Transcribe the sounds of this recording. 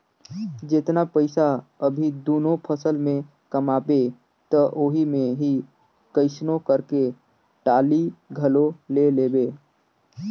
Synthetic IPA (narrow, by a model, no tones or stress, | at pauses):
d͡ʒɪt̪napəɪsaəbʱid̪oːnopʰəsəlmẽ | kəmaːbe | t̪əʔoːɦimẽɦi | kəɪsnokəɾke | ʈaːliɡʱəloleleːbeː